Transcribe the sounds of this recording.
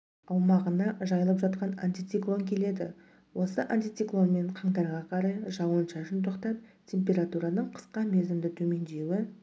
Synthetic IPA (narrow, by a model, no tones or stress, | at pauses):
ɑwmɑʁənɑʒɑjəlˠəpʒɑt̪qɑna̰nʲt̪ʲijt̪siklˠo̞ŋkʲʰe̞le̞d̪ɪ | wo̞səʔanʲt̪ʲijt̪siklˠo̞nme̞ɴqʰɑɴt̪ɑɾʁɑqʰɑɾɑjʒɑənʃɑʒɪnt̪̬ʰo̞qt̪ɑp̚tʲʰe̞mpʲe̞ɾat̪uɾɑnəɴqʰə̥sqɑme̞zɪmd̪ɪt̪ʰɵme̞nd̪e̞wɪ